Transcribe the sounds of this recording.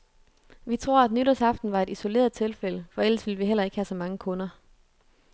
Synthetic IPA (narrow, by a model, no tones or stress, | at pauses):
ʋit͡sʰʁo̝ɐ̰æd̥nyɾɐsɑ̈fd̥n̩ʋɑ̈e̝diso̝le̝̰ːɐðˠt͡sʰe̝lfeləfɒ̽el̰əsʋiləʋiɦel̰ɐe̝ɡ̥hæsɒ̽mɑ̈ŋəkʰɔ̽nɐ